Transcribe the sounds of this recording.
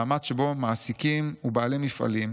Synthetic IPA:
amadʃebo̞maːsikimubaalimifa̰lim

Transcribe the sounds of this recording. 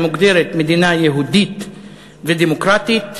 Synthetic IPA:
muɡd̪eɾet̪me̞d̪inajeɦud̪it̪ | ved̪emokɾat̪it̪

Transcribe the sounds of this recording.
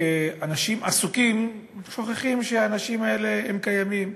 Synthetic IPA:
eanaʃimʔasukimʃo̞χeχimʃeaːnaʃimae̞le̞hemkajamim

